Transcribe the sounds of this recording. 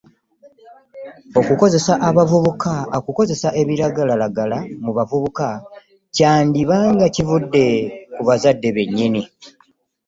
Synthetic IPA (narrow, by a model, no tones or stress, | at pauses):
o̞kuko̞ze̞saʔaβavuβukaokuko̞ze̞saʔe̞βiɾaɡalalaɡalamuβavuβuka | caːndiβaːŋɡacivudːe̞kuβazadːe̞βe̞ɲːini